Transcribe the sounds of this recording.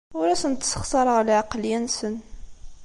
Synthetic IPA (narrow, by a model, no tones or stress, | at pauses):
ʊɾæsənt̪ːsə̥χsɑɾˤʁlaʕɑqljænsən